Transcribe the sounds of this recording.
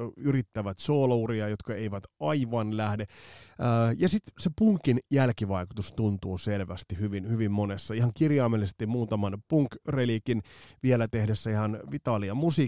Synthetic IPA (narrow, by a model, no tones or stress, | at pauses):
yrit̪ːæʋæt̪soːlɑuriɑjot̪kɑeiʋæt̪ɑiʋɑnlæhdeː | jɑsit̪sepuŋkinjælkiʋɑikut̪ust̪unt̪uːselʋæst̪ihyʋinhyʋimmonesːɑihɑŋkirjɑːmelːise̥st̪immuːt̪ɑmɑnpuŋkrelikinʋielæt̪ehdesːæihɑnʋit̪ɑliɑmusi